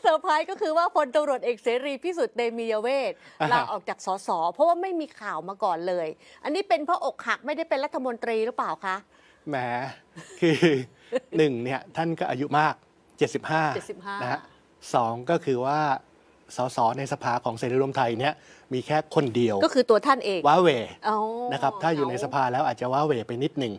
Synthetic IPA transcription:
sa˨˩˦pʰaː˦˥jkɔː˥˩kʰɯː˧waː˥˩pʰo˧nt̪a˧mɾu˨˩ət̪̚ʔeː˨˩k̚seː˩˦ɾiː˧pʰiː˥˩su˨˩t̪̚ne˧jmiː˧jaː˧weː˥˩t̪̚la˦ʔɔː˨˩k̚t͡ɕaː˨˩k̚sɔː˩˦sɔː˩˦pʰɔ˦˥waː˥˩ma˥˩jmiː˧kʰaː˨˩wmaː˧kɔː˨˩nlɤː˧jʔa˧nːiː˦˥pe˧npʰɾɔː˦˥˩ʔo˨˩k̚ha˨˩k̚ma˥˩jda˥˩jpe˧nɾa˦˥t̪ʰːa˧mo˧nt̪ɾiː˧ɾɯ˦˥paː˨˩wkʰa˦˥ʔ | mɛː˩˦ | kʰɯː˧ | nɯ˨˩ŋni˥˩ɐt̪ʰa˥˩nkɔː˥˩ʔa˧ju˦˥maː˥˩k̚ | t͡ɕe˨˩t̪̚si˨˩p̚haː˥˩i˨˩˥na˦˥ɦa˦˥ | sɔː˩˦ŋkɔː˥˩kʰɯː˧waː˥˩ | sɔː˩˦sɔː˩˦na˧jsa˧pʰaː˧kʰɔː˩˦ŋseː˨˩nɾu˦˥ɾu˧əmt̪ʰa˧jni˦˥˩ɐmiː˧kʰɛː˥˩kʰo˧ndi˧əwkɔ˥˩kʰɯː˧t̪u˧ɐt̪ʰa˥˩nʔeː˧ŋwaː˦˥weː˨˩o˧na˦˥kʰa˦˥p̚t̪ʰaː˥˩juː˨˩na˧jsa˧pʰaː˧lɛː˦˥wʔaː˨˩t̪̚t͡ɕa˨˩waː˦˥weː˨˩pa˧jnːi˦˥t̪̚nɯ˨˩ŋ

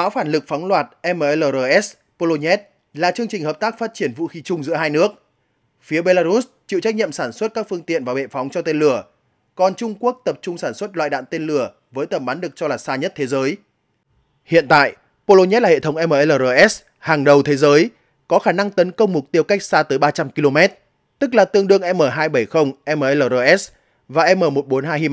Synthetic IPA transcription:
ʔaː˨˦wfaː˧˩nlɨ˨˩k̚fa˨˦wŋ͡mlwaː˨˩t̚ʔɛ˧mə˨˩ʔɛ˧ləː˨˩zəː˧˩ʔɛ˦˥s | po˧lo˧ɲɛ˦˥t̚ | laː˨˩t͡ɕɨ˧əŋt͡ɕï˨˩ŋ̟həː˨˩p̚t̪aː˦˥k̚faː˦˥t̚t͡ɕi˧˩ənvṵ˧˨xi˨˦t͡ɕʊ˧ŋ͡mzɨ̰˧˥əɦaː˧jnɨ˦˥ək̚ | fi˨˦əɓe˧laː˧ɾu˦˥s | t͡ɕḭ˧˨wt͡ɕa˦˥k̚ɲḭ˧˨ə˨msaː˧˩nswə˦˥t̚kaː˦˥k̚fɨ˧əŋt̪ḭ˧˨ənvaː˨˩wɓḛ˧˨fa˨˦wŋ͡mt͡ɕɔ˧t̪e˧nlɨ˧˩ə | kɔ˨˩nt͡ɕʊ˧ŋ͡mku˦˥ək̚t̪ə˨˩p̚t͡ɕʊ˧ŋ͡msaː˧˩nswə˦˥t̚lwa̰ː˧˨jɗa̰ː˧˨nt̪e˧nlɨ˧˩ə | vəː˨˦jt̪ə˨˩mɓa˨˦nɗɨ˨˩ək̚t͡ɕɔ˧laː˨˩saː˧ɲə˦˥t̚t̪ʰe˨˦zəː˨˦j | hḭ˧˨ənt̪a̰ː˧˨j | po˧lo˧ɲɛ˦˥laː˨˩hḛ˧˨t̪ʰə˨˦wŋ͡mʔɛ˧məː˨ʔe˧ləː˨˩ʔəː˧ʔɛ˦˥s | haː˨˩ŋɗə˨˩wt̪ʰe˨˦zəː˨˦j | kɔ˨˦xaː˧˩na˧ŋt̪ə˨˦nkə˧wŋ͡mmʊ˨˩k͡p̚t̪i˧əwka˦˥k̟̚saː˧t̪əː˨˦jɓaː˧t͡ɕa˧mki˧lo˧mɛ˦˥t̚ | t̪ɨ˦˥k̚laː˨˩t̪ɨ˧əŋɗɨ˧əŋʔɛ˧məː˨˩ɦaː˧jɓə˧˩jxə˧wŋ͡mʔɛ˧məː˨˩ʔləː˨˩ʔəː˧ʔɛ˦˥s | vaː˨˩ʔɛ˧mːəː˨˩mo˨˩t̚ɓo˨˦nɦaː˧jhi˧m˧

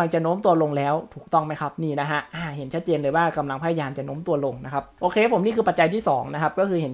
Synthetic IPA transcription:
a˧ŋt͡ɕa˨no˦˥mt̪u˧ɐlo˧ŋlɛː˦˥wt̪ʰuː˨˩k̚t̪ɔ˥˩ŋma˦˥jkʰa˦˥p̚niː˥˩na˦˥kʰa˦˥ʔaː˧˩ɦe˩˦nt͡ɕʰa˦˥t̪̚t͡ɕeː˧nlɤː˩jwaː˥˩ka˧mla˧ŋpʰaː˧˥˩ja˧jaː˧mt͡ɕa˨˩no˧˦˥mt̪u˧ɐlo˧ŋna˦˥kʰa˦˥p̚ʔoː˧kʰeː˧pʰo˩˦mniː˥˩kʰɯː˧pa˨t̪̚t͡ɕa˧jt̪ʰiː˥˩sɔː˩˦ŋna˦˥kʰa˦˥p̚kɔː˥˩kʰɯː˧ɦe˨˩˦

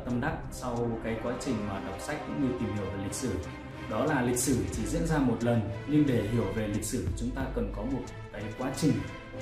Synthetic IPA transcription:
t̪ə˧mɗa˦˥k̚sa˧wkaː˨˦jkwaː˨˦t͡ɕï˨˩ŋ̟maː˨˩ɗa˨˩wk͡p̚sa˦˥k̚kʊ̰˧˥ŋɲɨ˧t̪i˨˩mɦi˧˩əwve˨˩lï˨˩k̚sɨ˧˩ | ɗɔ˨˦laː˨˩lï˨˩k̚sɨ˧˩t͡ɕi˧˩zḭ˧˥ənzaː˧mo˨˩t̚lə˨˩nɲe˧nɗe˧˩ɦi˧˩əwve˨˩lï˨˩k̟̚sɨ˧˩t͡ɕʊ˨˦ŋ͡mt̪aː˧kə˨˩nkɔ˨˦mo˨˩t̚kaː˨˦jkwaː˨˦t͡ɕï˨˩ŋ̟

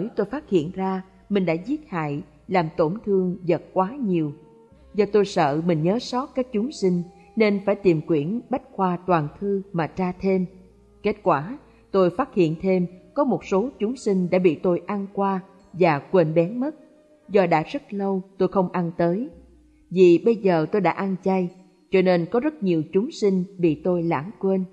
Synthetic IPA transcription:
ə˨˦jt̪o˧jfaː˦˥t̚hḭ˧˨ənzaː˧ | mï˨˩ŋ̟ɗa̰ː˧˥zi˦˥ət̚ha̰ː˧˨j | laː˨˩mt̪o˧˩nt̪ʰɨ˧əŋzə˨˩t̚kwaː˨˦ɲi˨˩əw | zɔ˨˩t̪o˧jsə̰ː˧˨mï˨˩ŋ̟ɲəː˨˦sɔ˦˥t̚kaː˦˥k̚t͡ɕʊ˨˦ŋ͡msï˧ŋ̟ | ne˧nfaː˧˩jt̪i˨˩mkwi˧˩ənɓa˦˥jk̟̚xwaː˧t̪waː˨˩nt̪ʰɨ˧maː˨˩t͡ɕaː˧t̪ʰe˧m | ke˦˥t̚kwaː˧˩ | t̪o˧jfaː˦˥t̚hḭ˧˨ənt̪ʰe˧mkɔ˨˦mo˨˩t̚so˨˦t͡ɕʊ˨˦ŋ͡msï˧ŋ̟ɗa̰ː˧˥ɓḭ˧˨t̪o˧jʔa˧nkwaː˧ | vaː˨˩kwe˧nɓɛ˨˦nmə˦˥t̚ | zɔ˧ɗa̰ː˧˥zə˦˥t̚lə˧wt̪o˧jxə˧wŋ͡mʔa˧nt̪əː˨˦j | vḭ˧˨ɓə˧jzəː˨˩t̪o˧jɗa̰ː˧˥ʔa˧nt͡ɕa˧j | t͡ɕɔ˧ne˧nkɔ˨˦zə˦˥t̚ɲi˨˩əwt͡ɕʊ˨˦ŋ͡msï˧ŋ̟ɓḭ˧˨t̪o˧jla̰ː˧˩ŋkwe˧n

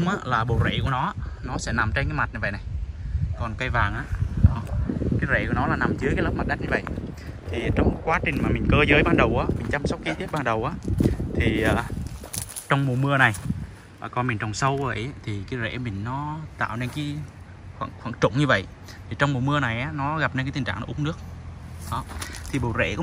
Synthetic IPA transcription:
ŋ͡mʔaː˨˦laː˨˩ɓo˨˩zḛ˧˨ku˧˩ənɔ˨˦nɔ˨˦sɛ̰˧˥na˨˩mt͡ɕe˧nkaː˨˦jma˨˩t̚ɲɨ˧və̰˧˨jna˨˩jkɔ˨˩nkə˧jvaː˨˩ŋʔaː˨˧˦nɔ˨˦kaː˨˦jzḛ˧˨ku˧˩ənɔ˨˦laː˨˩na˨˩mzɨ˨˦ka˨˦lə˦˥p̚m˨˩t̚ɗa˦˥ɲɨ˧və̰˧˨j | t̪ʰi˨˩t͡ɕɔ˧wŋ͡mkwaː˨˦t͡ɕï˨˩ŋ̟maː˨˩mï˨˩ŋ̟kəː˧zəː˨˦jɓaː˧nɗə˨˩wʔaː˨˦mï˨˩ŋ̟t͡ɕa˧msk͡p̚ki˧t̪ʰi˦˥ət̚ɓaː˧nɗə˨˩wʔaː˨˦t̪ʰi˨˩ʔəː˨˩ | t͡ɕɔ˧wŋ͡mmu˨˩mɨ˧əna˨˩j | kɔ˨˧˩nmï˨˩ŋ̟t͡ɕɔ˨˩ŋ͡msə˧wvəː˧˨jt̪ʰi˨˩kaː˨˦jzḛ˧˩mï˨˩ŋ̟nɔ˨˦t̪a̰ː˧˨wne˧nkaː˨˦ | xwa̰˧˨xwa̰˧˩˨ŋt͡ɕʊ̰˧˨ŋ͡mɲɨ˧və̰˧˨jʔ | t̪ʰi˨˩t͡ɕɔ˧wŋ͡mmo˨˩mɨ˧əna˨˩jʔaː˨˦nɔ˨˦ɣa˨˩p̚ne˧ka˨˦t̪i˨˩ŋ̟t͡ɕa̰ː˧˨nɔ˨˦ʔʊ˨˦ŋ͡mnɨ˦˥ək̚ɗɔ˨˦t̪ʰi˨˩ɓo˨˩zḛ˧˩kɔ˨˧˦

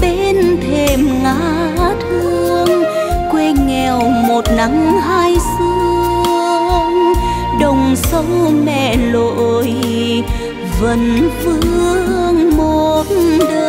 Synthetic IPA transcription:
ɓe˧nt̪ʰe˨˩mŋaː˧˥ | t̪ʰɨ˧əəŋ | kwe˧ŋɛ˨˩wmo˨˩t̚na˨˦ŋɦaː˧jsɨ˧əəəŋ | ɗə˨˩wŋ͡msə˧˦wmɛ̰˧˨lo˧˨j | və˨˧˩nvɨ˧˥˧əəŋmo˧˨˩t̚ɗəː˧˩

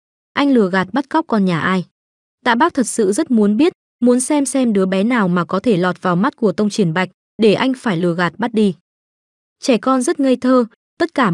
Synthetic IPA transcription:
ʔa˧jŋ̟lɨ˨˩əɣaː˨˩t̚ɓa˦˥t̚ka˦˥wk͡p̚kɔ˧nɲaː˨˩ʔaː˧j | t̪a̰ː˧˥ɓaː˦˥k̚t̪ʰə˨˩t̚sɨ̰˧˨zə˦˥t̚mu˨˦ənɓi˦˥ət̚ | mu˨˦ənsɛ˧msɛ˧mɗɨ˨˦əɓɛ˨˦naː˨˩wmaː˨˩kɔ˨˦t̪ʰe˧˩lɔ˨˩t̚vaː˨˩wma˦˥t̚ku˧˩ət̪ə˧wŋ͡mt͡ɕi˧˩ənɓa˨˩jk̟̚ | ɗe˧˩ʔa˧jŋ̟faː˧˩jlɨ˨˩əɣaː˨˩t̚ɓa˦˥t̚ɗi˧ | t͡ɕɛ˧˩kɔ˧nzə˦˥t̚ŋə˧jt̪ʰəː˧ | t̪ə˦˥t̚kaː˧˩

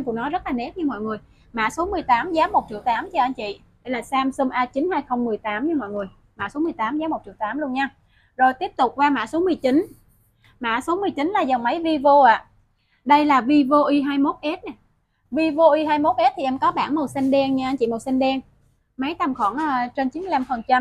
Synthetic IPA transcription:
ku˨˩nɔ˨˦zə˦˥t̚laː˨˩ne˦˥ɲɨ˧mɔ̰˧˨jŋɨ˨˩əj | ma̰ː˧˥so˨˦mɨ˨˩əjt̪aː˨˦mzaː˨˦mːo˨˩t̚t͡ɕḭ˧˩əwt̪aː˨˦mt͡ɕɔ˧ʔa˧jŋ̟t͡ɕḭ˧˨ | ɗə˧˩jlaː˨˩saː˧msə˧mʔaː˧t͡ɕi˨˦nhaː˧jxə˧wŋ͡mmɨ˨˩əjt̪aː˨˦mɲɨ˧mɔ̰˧˨jŋɨ˨˩əj | ma̰ː˧˩˥so˨˦mɨ˨˩əjt̪aː˨˦mzaː˨˦mo˨˩t̚t͡ɕi˧˩wt̪aː˨˦mlu˧ənɲaː˧ | zo˨˩jt̪i˦˥əp̚t̪ʊ˨˩k͡p̚kwaː˧ma̰ː˧˩˥so˨˦mɨ˨˩əjt͡ɕi˨˦n | ma̰ː˧˥so˨˦mɨ˨˩əjt͡ɕi˨˦nlaː˨˩zə˨˩ŋmə˨˦jvi˧vo˧ʔaː˧˨ | ɗə˧jlaː˨˩vi˧vo˧ʔi˧ɦaː˧jmo˦˥t̚ʔɛ˦˥t̚na˨˩ | vi˧vo˧ʔi˧ɦaː˧jmo˦˥t̚ʔɛ˦˥t̚t̪ʰi˨˩ʔɛ˧mkɔ˨˦ɓaː˧˩nmo˨˩t̚si˧ŋɗɛ˧nɲ˧ʔa˧ŋ̟t͡ɕḭ˧˨mo˨˩t̚sa˧nɗɛ˧n | mə˨˦jt̪a˧mxɔ˧˩nʔaː˧t͡ɕe˧nt͡ɕi˨˦nmɨ˨˩˨la˧mfə˨˩nt͡ɕa˧m

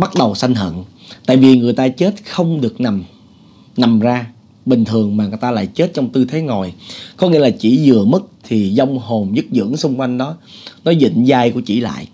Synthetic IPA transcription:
ɓa˦˥t̚ɗə˨˩wsa˧jŋ̟ɦə̰˧˨nt̪a̰ː˧˨jvi˨˩ŋɨ˨˩əjt̪aː˧t͡ɕe˦˥t̚xə˧wŋ͡mɗɨ˨˩ək̚na˨˩m | na˨˩mzaː˧ | ɓï˨˩ŋ̟t̪ʰɨ˨˩əŋmaː˨˩ŋ˨˩jt̪aː˧la̰ː˧˨jt͡ɕe˦˥t̚t͡ɕɔ˧wŋ͡mt̪ɨ˧t̪ʰe˨˦ŋo˨˩jkɔ˨˦ŋḭ˧˥əlaː˨˩t͡ɕi˧˩zɨ˨˩əmɨ˦˥k̚t̪ʰi˨˩zɔ˧wŋ͡mho˨˩mzɨ˦˥t̚zɨ̰˧˥əŋsʊ˧ŋ͡mkwa˧jŋ̟ɗɔ˨˦nɔ˨˦zḭ˧˨ŋ̟zaː˧jku˧˩ət͡ɕḭ˧˩la̰ː˧˨jʔ

